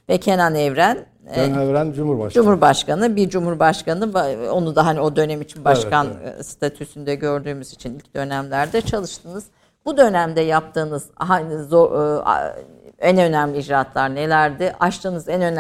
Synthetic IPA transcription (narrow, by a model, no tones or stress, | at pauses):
vɛcʰe̞nanɛvɾæn | ɛvɾænd͡ʒumhuɾbaʃd͡ʒumuɾbaʃkanɯbiɾd͡ʒumhuɾbaʃkanɯvo̞nud̪aɦanio̞d̪ø̞nɛmit͡ʃʰinbaʃkanst̪ʰat̪ʰysynd̪ɛɟø̞ɾd̪yːmyzit͡ʃʰinilʲc̚d̪ø̞næmlʲæɾd̪ɛt͡ʃʰalˠɯʃt̪ʰɯnɯz̥ | bud̪ø̞næmd̪ɛjap̚t̪ʰɯːnɯz̥hazo̰ | ænø̞næmlʲiːd͡ʒɾat̪ʰlˠaɾne̞lʲæɾd̪ɪʔaʃt̪ʰɯːnɯzɛnø̞n